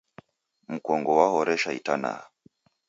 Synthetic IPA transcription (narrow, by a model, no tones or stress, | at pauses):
m̩kɔŋɡɔwahɔɾɛʃaitana̰